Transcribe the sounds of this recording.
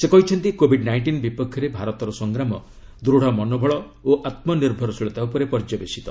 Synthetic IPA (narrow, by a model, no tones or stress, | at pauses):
sekɔɦit͡ʃʰɔnt̪ikobʱiɖnajɳʈinbipɔkʰːjɔɾebʱaɾɔt̪ɔɾɔsɔŋɡɾamɔ | d̪ɾuɽ̤ɔmɔnobʱɔɭɔ | oʔat̪mɔniɾbʱɔɾɔsiɭɔt̪aupɔɾepɔɾd͡ʒɔbesi̥t̪ɔ